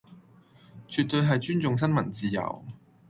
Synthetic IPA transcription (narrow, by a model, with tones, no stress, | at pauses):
t͡ʃʰy˨˧t̚t̪ɵ˧ɥɦɐ˨jt͡ʃyː˥nt͡sʊ˨ŋs̬ɐ˥nmɐ˨˩nt͡siː˨jɐ̰˨˩w